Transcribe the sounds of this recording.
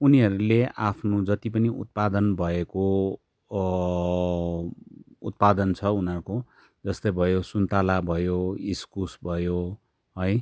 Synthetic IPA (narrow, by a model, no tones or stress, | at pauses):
uniɦʌɾuleʔapʰnod͡zʌt̪ipʌniṵt̪̚pad̪ʌnbʱʌeko | ṵt̪̚pad̪ʌnt͡sʰʌunɦʌɾuko | d͡zʌst̪ojbʱʌjosunt̪alabʱʌjoiskusbʱʌjo | ɦʌj